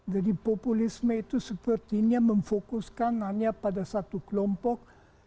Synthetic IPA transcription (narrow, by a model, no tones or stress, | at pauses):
d͡ʒadipopulisməit̪usəpərt̪iniaməɱfokuskanaɲapadasat̪ukəlɔmpɔk̚